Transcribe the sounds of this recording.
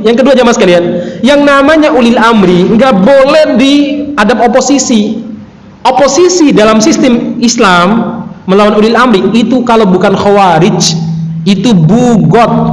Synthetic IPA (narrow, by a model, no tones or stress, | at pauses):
jaŋkəduad͡ʒamasə̥kalianjaŋnamaɲaʔulɪlamɾiŋɡaʔbolɛhdiadapoposisi | oposisidalamsist̪ɪmislamːəlawanulɪlamɾiit̪ukalabukanxawaɾɪt͡ʃ | it̪ubuɡɔt̪̚